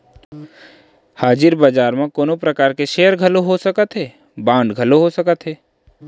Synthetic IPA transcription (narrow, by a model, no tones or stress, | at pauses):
haːd͡ʒɪɾbəd͡ʒaːɾmẽkoːnõpɾɐkaːɾkeʃeːjəɾɡʱɐloɦosɐkət̪ɦɛː | bãːɳɖɡʱɐloɦosɐkət̪ɦɛː